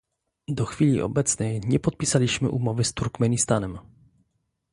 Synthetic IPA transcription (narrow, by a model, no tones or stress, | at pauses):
d̪ɔxfʲilʲḭʔɔ̰bɛt̪snɛjɲɛpɔt̪̚pʲisalʲiɕmɘ̰ʔumɔvɘst̪uɾkmɛɲist̪anɛm